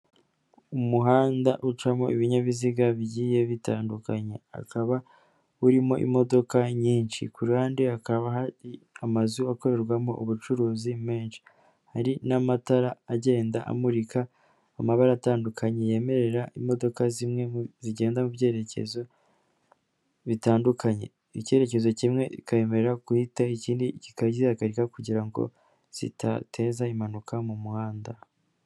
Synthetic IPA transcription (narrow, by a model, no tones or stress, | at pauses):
umuɦaːndaʔut͡ʃamo̞̰ʔiβiɲaβiziɡaβiɟiːje̞βitaːndukaɲe̞a̰kaβa | uɾimo̞ʔḭmo̞do̞kaɲiːnʃḭkuɾaːndiakaβaɦaɾiamazuako̞ɾe̞ɾɡwamo̞̰ʔuβut͡ʃuɾuːzime̞ːnʃi̥ | haɾinamataɾaːɟe̞ːndaʔa̰muɾikaː | maβaɾaːtaːndukʰaɲeje̞me̞ɾe̞ɾaʔimːo̞do̞kazimŋe̞ziɟe̞ːndamuvje̞ːɾe̞ce̞̰zo̞ | βitaːndukʰaɲe̞̰ | ice̞ːɾe̞ce̞zo̞cimŋe̞ikaje̞me̞ɾeɾakuhitaiciːndicikaiaɡaɾikakuɟiɾaŋɡo̰ | z̥ḭtʰa̰tʰe̞ːzaimanukʰamumuhaːnda